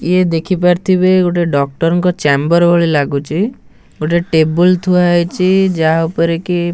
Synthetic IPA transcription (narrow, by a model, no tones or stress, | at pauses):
jed̪ekʰipaɾt̪ʰibeɡoʈeɖɔk̚ʈɔɾɔŋkɔt͡ʃɛmbɔɾbʱoɭilaɡut͡ʃʰi | ɡoʈeʈebult̪ʰuajt͡ʃid͡ʒaaupɔɾeki